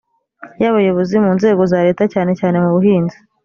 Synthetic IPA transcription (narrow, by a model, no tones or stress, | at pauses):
jaβajoβozimuːnze̞ːɡo̞zaːɾe̞ːtacaːne̞caːne̞muβuɦiːnzi̥